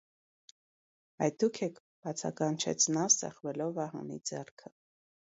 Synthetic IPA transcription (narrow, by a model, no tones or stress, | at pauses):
ɑ̰jd̪ukʰɛkʰ | b̥ɑt͡sʰɑ̰kɑnt͡ʃʰɛ̰t͡sʰnɑsɛ̰χvɛlɔvɑɦɑ̰nḭd͡zɛrkʰə